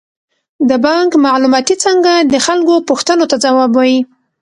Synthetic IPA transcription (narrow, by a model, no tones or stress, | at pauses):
d̪əbɑŋkmɑʕlumɑt̪it͡səŋɡad̪əxalkopuxt̪ənot̪ad͡zawɑbaji